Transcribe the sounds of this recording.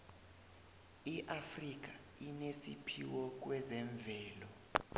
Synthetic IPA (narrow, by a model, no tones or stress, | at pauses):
iʔafrik̬a | inesḭpʰiwɔk̬wɛzɛɱb̪vʱɛːlɔ